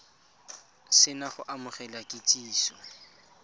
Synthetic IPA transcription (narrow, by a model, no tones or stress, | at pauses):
sɪnaχʊʔamʊχɛlakʼɪtʼiːsɔ̰